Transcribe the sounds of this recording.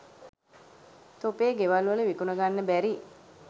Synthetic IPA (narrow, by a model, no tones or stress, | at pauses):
t̪opeːɡeʋalʋələʋikunəɡanːəbæɾi